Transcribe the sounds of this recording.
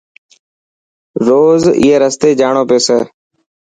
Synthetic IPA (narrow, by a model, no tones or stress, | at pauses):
ɾoːzḭːɦeːɾəst̪eːd͡ʒaːɳoːpeːseː